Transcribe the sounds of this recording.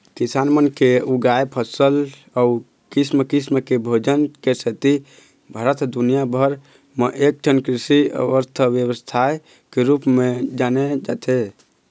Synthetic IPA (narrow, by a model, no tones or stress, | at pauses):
kisanmənkeuɡajpʰəsəl | au | kisməkisməkebʱod͡ʒənkesət̪i | bʱəɾət̪ʰd̪unijabʱəɾ | məʔek̚ʈʰənkɾisiə̰ʋəɾt̪ʰəʋjəwəst̪ʰaj | keɾupmed͡ʒaned͡ʒa̰t̪ʰe